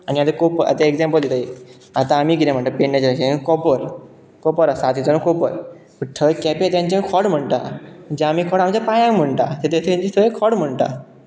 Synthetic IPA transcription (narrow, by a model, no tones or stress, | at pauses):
aniat̪ekopəa̰t̪eeɡzɛmpəld̪et̪ai | at̪ãːmiɡiɾẽm̤əɳʈ̪apeɳnat͡ɕɾakekɔpəɾ | kɔpəɾasat̪ʰit͡sənokopəɾ | pəʈʰəkɛpet̪jãɲt͡ɕakʰɔɽm̤əɳʈ̪a̰d͡ʑaamikʰɔɽamt͡ɕapajãm̤əɳʈ̪a̰t̪et̪ʰet̪ʰeɲt͡ɕist̪ʰəekʰɔɽm̤əɳʈa̰